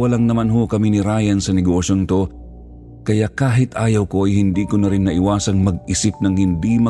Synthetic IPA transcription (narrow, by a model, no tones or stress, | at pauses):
wɐlaŋnɐmanɦokɐminɪɾaːjɐnsɐnɛɡo̞ːʃoŋt̪o̞ | kɐjakaːɦɪt̪ʔaːjɐwko̞ʔɐjhɪnd̪iːkonɐɾɪnːɐʔɪwaːsɐŋmɐɡʔɪsɪp̚nɐŋhɪnd̪imɐ